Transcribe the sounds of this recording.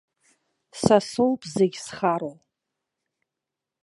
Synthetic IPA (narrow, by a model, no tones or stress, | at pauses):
sasolpʼzeɡʲsχaɾow